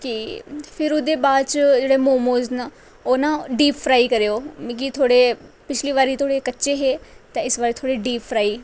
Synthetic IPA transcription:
kiːpʰɪɾʊd̪eːbaːd̪t͡ʃd͡ʒeːɽeːmõːmoːznaː | oːnãːɖiːpfɾaːiːkəɾeːoːmĩːkit̪ʰoːɽeː | pɪt͡ʃʰliːʋaːɾiːt̪ʰoːɽeːkətːʃeːɦeːt̪ãːɪsʋaːɾiːt̪ʰoːɽeːɖiːpʰːɾaːiː

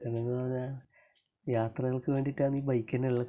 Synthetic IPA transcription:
ɐleŋːɡɐɭaɲaːn | jaːt̪rɐɣɐɭkɨʋe̞ːɳɖitːaːnːiːbɐjkʲːɐnːeɭːɐ

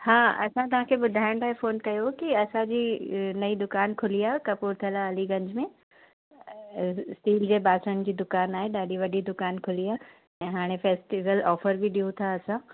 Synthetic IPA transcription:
haːɐ̰sãt̪̬ɐʋ̤ãkʰeːɓʊd̪ʱaːɪ̃ɽ̃t̪ʰaːɦefoːnkɐjokiɐsãd͡ʑiːnɐid̪ʊkaːnkʰʊlijaːɦkɐpuːɾt̪ʰiəlaɐliɡɐ̃ɲd͡ʑmẽ | sʈiːld͡ʑeːbaːsəñ̆d͡ʑiːd̪ʊkaːnaːɦeɗaːɗiʋɐɗid̪ʊkaːnkʰʊliaː | ɛ̃ːɦaːɽ̃efeːsʈiʋəlɔːfəɾbiɗiũt̪ʰaɐsã

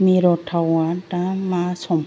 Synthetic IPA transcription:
miɾɔtʰawatamasɔm

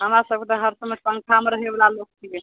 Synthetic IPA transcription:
ɦəmɾasəbkʰet̪əɦəɾsəmepə̃ŋkʰameɾəɦebelalok̚t͡ʃʰije

